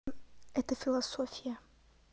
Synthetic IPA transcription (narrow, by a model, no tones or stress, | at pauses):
ɛt̪əfʲɪlˠɐsofʲɪjə